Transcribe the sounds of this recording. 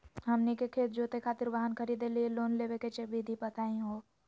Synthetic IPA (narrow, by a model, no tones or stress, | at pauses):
ɦɐmnikekʰeːt̪̚d͡ʒoːt̪ekʰaːt̪ɪɾʋaɦənkʰəɾiːd̪elieloːnleːʋeket͡ʃebid̪ʱipɐt̪aːĩɦoː